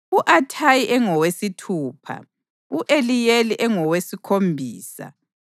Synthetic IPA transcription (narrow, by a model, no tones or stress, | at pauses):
uʔatʰajiʔɛŋɔwesitʰuːpʰa̰ | uʔelijeliʔɛŋɔwesikʰombʱiːsa̰